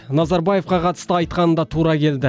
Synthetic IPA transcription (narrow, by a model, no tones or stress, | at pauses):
nɑzɑɾbaje̞fqɑqʰɑt̪ə̥st̪əɑjt̪̚qɑnənd̪ɑt̪ʰuɾɑkʲʰe̞ld̪ɪ